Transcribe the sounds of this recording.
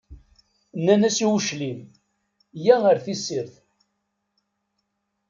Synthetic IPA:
nːænæsiwʃlim | jæəɾθisːiɾθ

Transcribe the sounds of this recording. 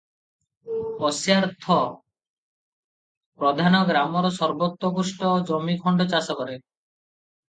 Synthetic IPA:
pɔsjaɾt̪ʰɔ | pɾɔd̪ʱanɔɡɾamɔɾɔsɔɾbɔt̪ːɾɔɡusʈɔd͡ʒomikʰɔɳɖɔt͡ʃasɔkɔɾe

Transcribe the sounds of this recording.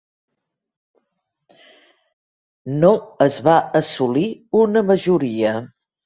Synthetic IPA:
noəzβaəsuliunəməʒuɾiə

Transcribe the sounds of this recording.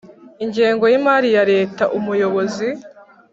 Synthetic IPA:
iɲɟeːŋɡo̞jimaɾijaɾe̞ːtaʔumujo̞βo̞zi

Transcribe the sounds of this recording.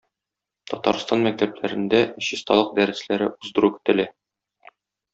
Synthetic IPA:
t̪ɒt̪ɑ̰ɾst̪ɑnmæk̚t̪æplæɾɘ̆nd̪æɕist̪ɑ̰lˠɤq̚d̪æɾɘ̆slæɾɘʔuzd̪ɤ̆ɾukĭ̥t̪ɘ̆læ

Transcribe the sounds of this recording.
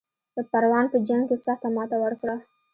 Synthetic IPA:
d̪̥əpaɾwɑnpəd͡ʒaŋkesaxt̪amɑt̪awəɾkɽə

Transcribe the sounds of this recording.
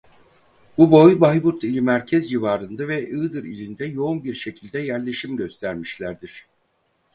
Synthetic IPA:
bubo̞jbajbuɾt̪ʰilʲimæɾcʰɛzjivaːɾɯnd̪avɛʔɯːd̪ɯɾḭlʲind̪ɛjo̞unbiɾʃe̞cʰilʲd̪ɛjæɾlʲe̞ʃimɟø̞st̪ʰæɾmiʃlʲæɾd̪iɾ̥

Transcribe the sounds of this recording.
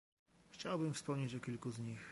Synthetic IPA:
xt͡ɕawbɘmfspɔmɲet͡ɕɔkʲilkuzɲix

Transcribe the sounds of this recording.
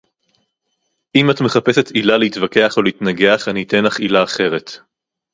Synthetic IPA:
ʔimatme̞χape̞se̞tilaleitvake̞aχo̞leitnaɡe̞aχaniːte̞nlaχilaːχe̞ʁe̞t

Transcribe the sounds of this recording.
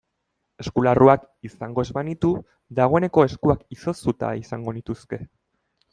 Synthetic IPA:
e̞skularuak | isaŋɡo̞ezβanit̪u | ðaɣ̞o̞e̞ne̞ko̞e̞skuakiso̞st̪ut̪a̰isaŋɡo̞nit̪uske̞

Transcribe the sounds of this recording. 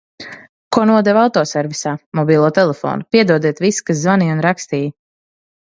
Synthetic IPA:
kuɔnuɔd̪ɛvawt̪ɔːsɛɾvisaːmɔbʲiːlˠuɔt̪ɛlˠɛfɔ̰ːnupiɛd̪uɔd̪iɛt̪viskas̬zvaniunɾakst̪iːj

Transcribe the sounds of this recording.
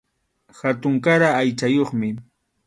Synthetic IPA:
xat̪ʊŋkaɾaːjt͡ʃajoχmɪ

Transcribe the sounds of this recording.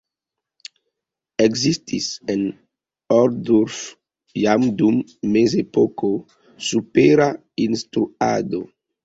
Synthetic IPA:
eɡzist̪ʰisen | ɔɾd̪uɾf | jamd̪umːezepɔko | supeɾa | inst̪ɾua̰d̪o

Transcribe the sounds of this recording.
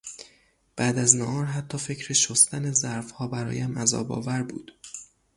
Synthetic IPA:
b̥æːd̪æznɒʔɒːɾɦæt̪ʰːɒːfe̞cʰɾeʃost̪ʰænezæɾfhɒːbæɾɒ̰ːjæmæzɒ̰ːbɒ̰ːvæɾbṵːd̪̥

